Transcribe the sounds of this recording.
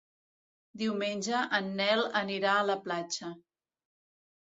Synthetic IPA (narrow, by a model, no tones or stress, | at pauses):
d̪iwmenʲʒəʔənːɛləniɾaələplat͡ʃə